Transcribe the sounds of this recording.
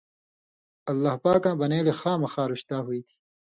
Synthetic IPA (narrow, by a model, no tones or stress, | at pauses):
ɐlːaːhpaːkãːbɐneːlexaːmɐxaːɾuɕt̪aːɦuit̪ʰi̥